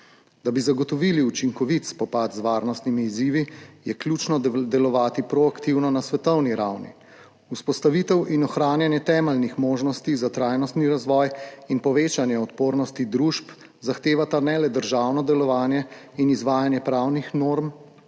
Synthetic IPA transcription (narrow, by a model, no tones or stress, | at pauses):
d̪abizaɡɔt̪ɔʋiːliut͡ʃiŋkɔʋit̪spɔpat̪zʋaːɾnɔst̪nimiːziːʋijɛkluːt͡ʃnɔd̪ɛlɔʋaːt̪ipɾɔakt̪iwnɔnasʋɛt̪ɔwniɾawnḭ | uspɔst̪aʋiːt̪ɛwʔinɔxɾaːnjanjɛt̪ɛːmɛlnixmoːʒnɔst̪izat̪ɾajnɔst̪niɾazʋɔːjinpɔʋeːt͡ʃanjɛɔt̪poːɾnɔst̪id̪ɾuːʃp | zaxt̪eːʋat̪anɛlɛd̪əɾʒawnɔd̪ɛlɔʋaːnjɛ | inizʋaːjanjɛpɾaːwnixnoːɾm